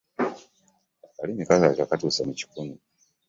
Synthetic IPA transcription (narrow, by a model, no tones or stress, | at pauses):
akalinikazat͡ʃakatusanit͡ʃi̥kumi